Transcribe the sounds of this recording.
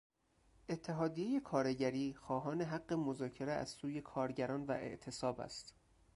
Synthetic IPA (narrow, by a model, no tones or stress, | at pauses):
ʔe̞t̪ʰːe̞ɦɒːd̪ijeje̞kʰɒːɾe̞ɟæɾiːxɒːɦɒːne̞ɦæɢːemozɒːcʰe̞ɾeæ̰z̥suːje̞kʰɒːɾɟæɾɒːnvæ̰ʔe̞̰ʔt̪ʰe̞sɒːbæ̰st̪